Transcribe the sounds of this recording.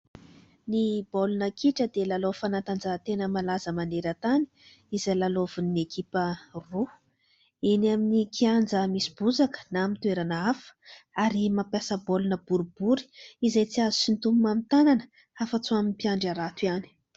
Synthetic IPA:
nibolunəkiʈ͡ʂəd̪elalofanant̪and͡zat̪enəmalazəmaneɾət̪ani̥ | izalalovunekʰipəru | eniaminikʰiand͡zəmisi̥b̥uzakə̥namint̪ueɾanəafə̥aɾimampjasəbolunəb̥uɾubuɾi̥izajt͡siazusint̪umumamit̪ananə̥ | afat͡suaminpiaɳɖ͡ʐaɾat̪uiani̥

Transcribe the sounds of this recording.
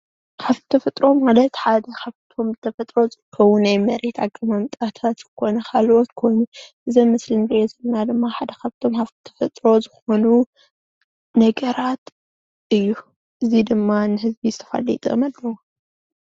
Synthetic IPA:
kaβtɨ̥t̪ʰɐfɐt̪ʼɾo̞malɐt̪ħad̪ɐkʰaβt̪ʰo̞mzɨt̪ʰɐfɐt̪ʼɾo̞zɨkʰɐwunajmɐɾe̞t̪aɡɐmɐmt̪ʼat̪ʰat̪kɨkʰo̞nɐkʰalʔo̞t̪kʰo̞jnuʔɨzɐmɨslɨnzezɨlnad̪ɨmːaħad̪ɐkʰaβt̪ʰo̞mkʰaft̪ʰt̪ʰɐ̥fɐt̪ʼɾo̞zɨxo̞nu | nɐɡɐɾat̪ | ʔɨjːu | ʔɨzid̪ɨmːanɨɦɨzbizɨt̪ʰɐ̥fa̰lḭt̪ʼɐ̰malːɐwo

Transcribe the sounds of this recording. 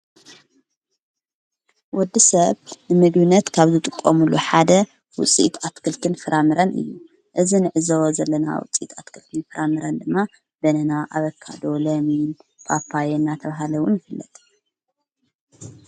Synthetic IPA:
wɔd̪ːisɐβnɨmɨɡbɨnːɐt̪kʰaβzɨt̪ʼɨkʼːomuluħad̪ɐ | wʊt͡sʼḭt̪ʰat̪kʰɨlt̪ʰɨnfɨɾʔamɨɾɐnʔɨ̰jːu | ʔɨzinɨʕɨzɐwzɐlːɐna̰wʊ̰t͡sʼḭt̪ʰat̪kʰɨlt̪ʰɨnfɨɾʔamɨɾɐnd̪ɨmːa | b̥ɐnɐnaʔa̰βɐkʰːa̰d̪o̞lɐminpʰapʰajenat̪ʰɐβaɦalɐwʊnjɪfɨlːɐ̰t̪ʰʼ

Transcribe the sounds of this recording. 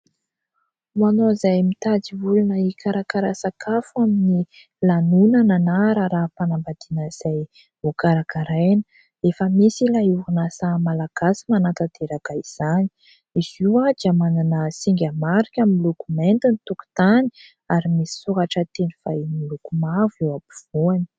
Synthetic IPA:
wanozajmit̪ad͡zivulunəikaɾakaɾasakʰafuamini | lanunananaɾaɾapanambad̪̥inəiz̥aj | ukaɾakaɾajnə̥ | efəmisilauunasamalaɡ̥asimanat̪ad̪eɾakaiz̥ani̥ | iz̥iwad̪iamananəsiŋɡʲamaɾikʲaminilukument̪init̪uku̥t̪ani | aɾimisi̥suɦaʈ͡ʂət̪eniv̥ajnilukumavewapiv̥uani̥

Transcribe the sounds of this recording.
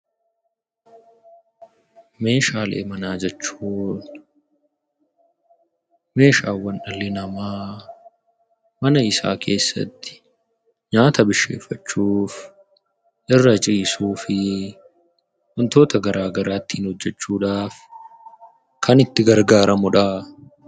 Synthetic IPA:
me̞ːʃaːlḛːmɐnaːd͡ʒɛt͡ʃːuːn | me̞ːʃaːwːɐnʔɐlːɪnɐmaː | mɐnɐɪsa̰ːkʰe̞ːsːɐ̰t̪ːɪ̥ | ɲaːt̪ɐbɪʃːe̞̰ːfːɐt͡ʃːuːf | ʔɪrːɐd͡ʒɪːsuːfɪ | hɔnt̪o̞ːt̪ɐɡɐɾʔaːɡɐɾaːt̪ːiːnhɔd͡ʒːɛt͡ʃːuːᶑaːf | kʰɐnɪt̪ːɪɡɐɾɡaːɾʔɐmʊᶑa

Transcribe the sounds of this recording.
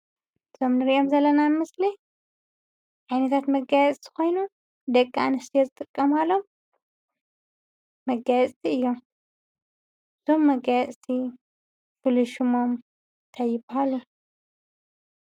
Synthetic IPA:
ɨzʰo̞mnɨɾiʔo̞mzɐlːɐnanmɨsli | ʕajnɐt̪ʰat̪mɐɡajɛt͡sʼsʰi̥ko̞jnu | d̪ɐkʼːaanɐst̪ʰijezɨt̪ʼɨkʼːɐmalo̞m | ɐɡajɛt͡sʼt̪ʰiɨjːom | ɨzomːɐɡajɛsʼsʰi | fɨluʃɨmo̞m | t̪ʰajːɪbhalu

